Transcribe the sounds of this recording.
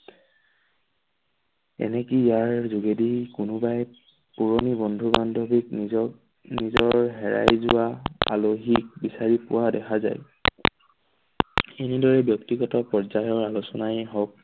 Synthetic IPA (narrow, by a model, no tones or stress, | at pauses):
ɛ̰nɛkijaɹzuɡedikʊnʊbaj | puɹɔnibɔndʱubandʱɔbik | nizɔɹɦɛɹa̰jzʊaa̰loɦik̚bisaɹipʊwadɛkʰaza̰j | enidɔɹɛbjɔktiɡɔtɔpɔɹd͡ʒajɔɹalusɔnajɦɔk̚